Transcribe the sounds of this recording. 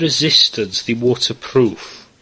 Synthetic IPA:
ɹɪzɪstədzðəwɔˑtʰəpʰɹ̥uˑf

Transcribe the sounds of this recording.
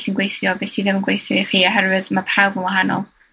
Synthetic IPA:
sinɡwejθjɔbesiðɪmənɡwejθjɔiχiːɔɦɛrvɨðmapʰawbənwaɦanɔ̰lˠ

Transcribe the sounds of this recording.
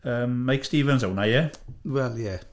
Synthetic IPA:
əːmːajkstiːvənzownajɛwɛlˠjɛ

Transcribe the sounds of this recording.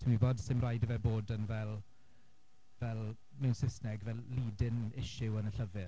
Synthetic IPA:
tʰɪmwiboːdsɪmrajdəvɛboːdənvɛlˠ | vɛlˠ | mɛwnsɪsnɛɡvɛlˠliːdɪnɪʃɪwənəɬəvɪ

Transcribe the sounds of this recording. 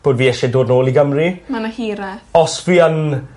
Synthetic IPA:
b̥oːdviːɛʃɛdoːdnoːlˠiɡəmrimanahiːɾɛɔsviːən

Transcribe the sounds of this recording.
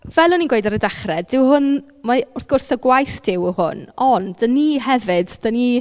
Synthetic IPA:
vɛlˠɔninɡwejdaɾədaχrɛd̥ɪwhʊn | maʊrθɡ̥ʊrsəɡwajθd̥ɪwhʊ̰nɔndəniɦɛvɨd̥d̥əni

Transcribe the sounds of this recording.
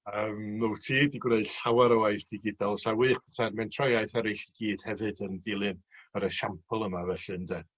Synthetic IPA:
əːmːutʰiːdiɡwreɨd̥ɬawaɾəwajθd̥ɪɡɪdɔlˠsawiːχɛtʰadmɛntʰrɔjajθaɾejɬiɡ̥iːd̥hɛvɨdəndɪlˠɨnəɾəʃampʰəlˠəmavɛɬɨndɛ

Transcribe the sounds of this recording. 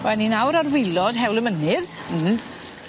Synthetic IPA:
wɛlniːnawɾarwɪlɔd̥ɦɛwlˠəmənɪð̩

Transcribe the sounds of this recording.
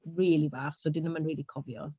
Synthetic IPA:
riːlˠivaːχsɔdɪnəmənriːlˠikʰɔvjɔ̰

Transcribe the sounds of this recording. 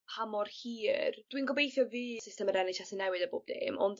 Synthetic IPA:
hamɔrhiːrd̥winɡɔbejθjɔviːsɪstɛmaɾɛnɪtasənɛwɨdəboːb̚dḛːmɔ̰nd

